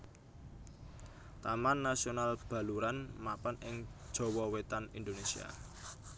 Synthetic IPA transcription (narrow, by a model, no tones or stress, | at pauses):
t̪amanːasionalb̥ä̤luɾanmapanɪŋd̥ʒ̥ɔ̤wɔwet̪anḭnd̪onesia̰